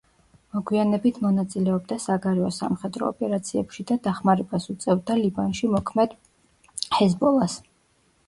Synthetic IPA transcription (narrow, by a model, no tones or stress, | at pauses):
mɔɡwianɛbit̪ʰmɔnat̪sʼilɛɔbd̪asaɡaɾɛɔsamχɛd̪ɾɔ̰ɔ̰pʼɛɾat̪sʰiɛpʃid̪ad̪aχmaɾɛbasut̪sʼɛvd̪alibanʃimɔkʰmɛd̪̥ | hɛzbɔlˠas